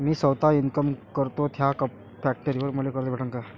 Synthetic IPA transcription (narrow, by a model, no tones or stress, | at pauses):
miːsəwt̪ainkəmkəɾt̪ot̪ʰjakəp | fæk̚ʈəɾiʋəɾməlekəɾlebʱəʈəŋka